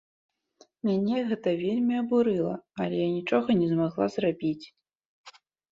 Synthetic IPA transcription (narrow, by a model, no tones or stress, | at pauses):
mʲanʲɛɣɛt̪ɐvʲelʲmʲiɐbuɾɨlˠɐɐlʲɛjanʲit͡ʂɔɣɐnʲɛzmaɣlˠa̰zrabʲit͡sʲ